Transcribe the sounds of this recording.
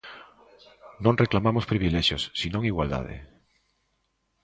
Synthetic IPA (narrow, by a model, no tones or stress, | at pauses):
nõnreklamamospɾiβileʃjosːinõŋiɣwald̪a̰ð̞ḛ